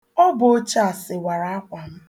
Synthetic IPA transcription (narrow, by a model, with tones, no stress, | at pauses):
ɔ˦bo˦o˦t͡ʃa˦a˨sɪ˨wa˨ɾa˨a˦kʷa˨m̩˦